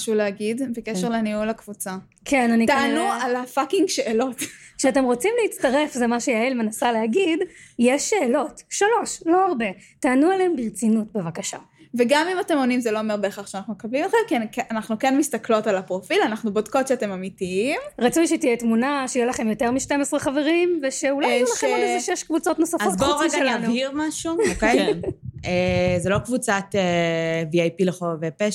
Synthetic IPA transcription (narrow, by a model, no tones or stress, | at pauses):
ʃuleaɡidbekeʃeʁleniulakv̥ut͡sa | kʰenanitaanualafakiŋɡʃeʔelo̞tkʃeate̞mʁo̞t͡simleit͡st̪aʁe̞fzemaʃejaelmenasaleaɡidjeʃːe̞ːlo̞tʃalo̞ʃlo̞aʁbe̞taːnualeembiʁt͡sinutbevakaʃa̰ | veɡamimate̞mo̞nimzeloomeʁbeːχaχʃeanaχnumekablimatχemkiakanaχnukenmist̪aklo̞talapʁofilanaχnubodkotʃeate̞mamitiimʁat͡sujʃet̪ijetmunaʃejɛlaχe̞mjo̞teʁmiʃtemesʁeχave̞ʁimveʃeulalaχemolezeʃeʃkvut͡so̞t̪nosafat̪χoʁiɡʃelavniʁmaʃuokejnezelo̞kvut͡sateviajpileχovepeʃ